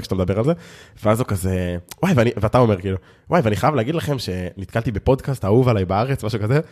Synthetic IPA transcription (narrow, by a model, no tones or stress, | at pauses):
kʃat̪amd̪abe̞ʁalze̞veazukazewajveaniveat̪ao̞me̞ʁkiːlu | wajveaniχajavleːɡid̪laχe̞mʃe̞nit̪̚kalt̪ibepo̞d̪kastauvalajbaaʁet͡smaʃukaze